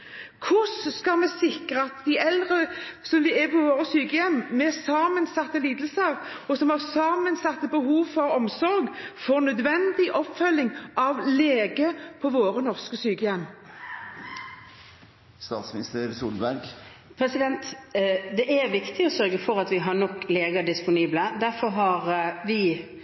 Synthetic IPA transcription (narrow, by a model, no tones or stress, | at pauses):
kʰʊsskɑmɛsɪkʁəɑt̪d̪æʔɛld̪ʁəsɔmʋɪæpʰɔʋoːɾəsyːkəjɛmːmɛsɑːmənsɑt̪ːəliːd̪əlsəʁ | ɔsɔmhɑʁsɑːmənsɑt̪ːəbəɦuːʋfɔɾɔmsɔɾɡfɔːnœd̪ʋɛnd̪ɪʔɔpfœlːɪŋʔɑʋleːɡəpʰɔʋoːɾənɔʁskəsyːkəjɛmː | st̪ɑ̰ːt̪smɪnɪst̪əɾsuːlbæɾɡ | pʰɾɛsɪd̪ɛnt̪d̪ɛʔæɾʋɪkt̪ʰɪɔsœɾɡəfɔɾɑt̪ʋɪɦɑnɔkːleːɡəɑɖɪspʊniːbləd̪æɾfɔɾɦɑɾʋɪ